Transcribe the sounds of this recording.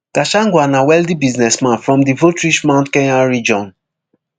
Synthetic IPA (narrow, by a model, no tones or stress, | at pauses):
kaʃãŋɡwanawɛldibiznɛsmãnfɹɔ̃mdivotɹiʃmãʊ̃ntkɛ̃aɹid͡ʒɔ̃n